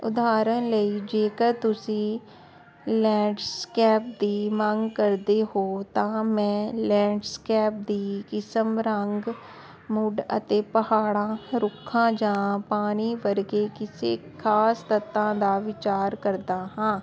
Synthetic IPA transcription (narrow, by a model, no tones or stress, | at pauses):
ʊ̰d̪aːɾənləiːd͡ʒeːkəɾt̪ʊsĩː | lɛ̃ːɖskɛːp̚d̪iːməŋɡkəɾd̪eːhoːt̪ãːmɛ̃ːlɛ̃ːɖskɛːp̚d̪iːkɪsəmɾəŋɡ | mʊɖə̰t̪eːpəhaːɽãːɾʊkʰːãːd͡ʒãːpaːniːʋəɾɡeːkɪsḛːkʰaːst̪ət̪ːãːd̪aːʋɪt͡ʃaːɾkəɾd̪aːɦãː